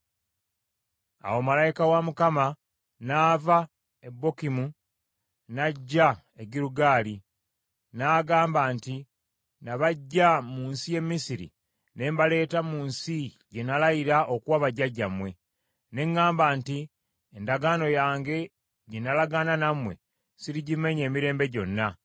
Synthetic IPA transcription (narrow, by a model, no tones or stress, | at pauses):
a̰wo̞malajikawamukama | naːva | ebːo̞kimu | naɟːa | eɡiɾuɡaːli | naːɡaːmbaːnti | naβaɟːamuːnsije̞mːisiɾḭ | ne̞ːmbale̞ːtamuːnsi | ɟenalajiɾaʔokuwaβaɟːaɟamwe̞ | ne̞ŋːaːmbaːnti | endaɡano̞jaːŋɡe̞ | ɟenalaɡananamwe̞̰ | siɾiɟime̞ɲe̞ːmiɾe̞ːmbe̞ɟo̞nːa